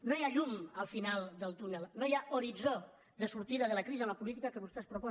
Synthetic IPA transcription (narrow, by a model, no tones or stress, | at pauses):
nojaʎuməlˠfinalˠd̪əlˠt̪unəlnojaʔuɾid͡zo | d̪əsuɾt̪iðəðələkɾizəmlapulit̪ikakəβust̪ɛspɾupɔ